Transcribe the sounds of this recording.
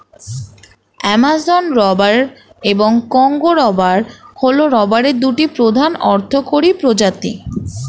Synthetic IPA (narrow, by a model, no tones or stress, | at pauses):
ɛmazonɾɔbaɾ | eboŋkɔŋɡoɾɔbaɾholoɾɔbaɾeɾd̪uʈipɾod̪ʱanɔɾt̪ʰokoɾipɾod͡ʑat̪i